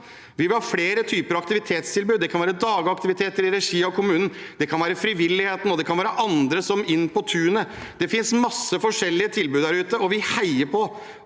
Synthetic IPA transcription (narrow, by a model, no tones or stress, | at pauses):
ʋɪʋɪlhɑɾfleːɾət̪ʰyːpəɾɑkt̪ɪʋɪt̪ʰeːt̪st̪ʰɪlbʉːd̪ɛkʰɑnʋæːɾəd̪ɑːɡɑk̚t̪ɪʋɪt̪ʰeːt̪əɾɪɾɛʂiːɑɔkʰʊmʉːnn̩d̪̥ɛkʰɑnʋæːɾəfɾɪʋɪlːɪheːt̪n̩ɔd̪ɛkʰɑnʋæːɾəʔɑnd̪ɾəsɔmɪnːpɔt̪ʰʉːənə | d̪̥ɛfɪnsmɑsːəfɔʂɛlːɪət̪ʰɪlbʉd̪æɾʉːt̪əɔʋɪhæɪəɾpʰɔ